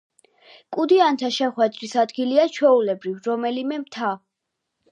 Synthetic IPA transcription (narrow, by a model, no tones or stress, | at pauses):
kʼud̪iant̪ʰaʃɛχwɛd̪ɾisad̪ɡiliat͡ʃʰwɛulɛbɾivɾɔmɛlimɛmt̪ʰa